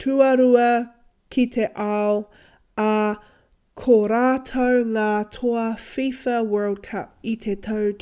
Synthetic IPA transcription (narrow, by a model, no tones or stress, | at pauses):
tʰʉɐɾuɐ | kʰit̪ʰe̞ʔɐw | ɐ | kʰoɾaːt̪ʰɐwŋaːtʰoɐfifɐwɜ˞lˠd̚kʰɐp̚it̪ʰet̪ʰɐw